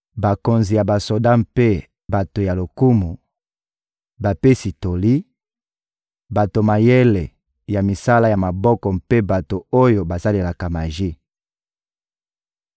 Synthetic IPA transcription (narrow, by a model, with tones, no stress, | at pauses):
ba˨ko˨nzi˨ja˨ba˨so˨da˦mpe˦ | ba˨to˨ja˨lo˨ku˦mu˨ | ba˨pe˦si˨to˨li˦ | ba˨to˨ma˨je˦le˨ | ja˨mi˨sa˦la˦ja˨ma˨bɔ˦kɔ˨mpe˦ba˨to˨o˦jo˨ba˨sa˦le˨la˨ka˨ma˨ʒi˦